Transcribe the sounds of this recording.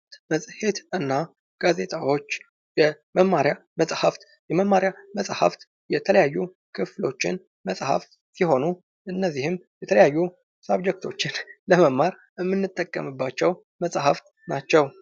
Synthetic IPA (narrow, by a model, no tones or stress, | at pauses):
t̪məsʼhe̞t̪ɨnːa | ɡ̥aze̞t̪ʰʼawo̞t͡ʃː | jɛ | məmːaɾjaməsʼhaft̪ | jɛməmːaɾjaməsʼha̰ft̪ | jɛt̪ʰələjajːu | kʰɨflo̞t͡ʃːɪ̰n | məsʼha̰ft̪ | siɦo̞nu | ʔɨnːəzːihɨmjɛt̪ʰələjajːu | sabd͡ʒɛk̚t̪ʰo̞t͡ʃːɪnləməmːaɾ | ɨmːɨnːɨt̪ʼːəkʼːə̰mɨbːat͡ʃːɛw | məsʼhaft̪ | nat͡ʃːɛw